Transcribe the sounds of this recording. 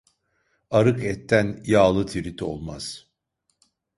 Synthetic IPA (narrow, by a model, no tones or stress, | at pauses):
aɾɯkɛt̪ʰːænjaːlˠɯt̪ʰiɾit̪ʰio̞̰lˠmaz̥